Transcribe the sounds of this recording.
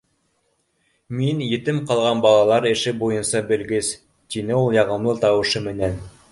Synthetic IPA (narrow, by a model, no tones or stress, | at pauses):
minjɘ̆t̪ɘmqɑlˠʁɑnbɑlˠɑlˠɑɾɘ̆ʃɘbujɤ̆nsɑbɘ̆lɡɘs | t̪inɘulˠjɑʁɤ̆mlˠɤt̪ɑwɤ̆ʃɤmɘ̆næn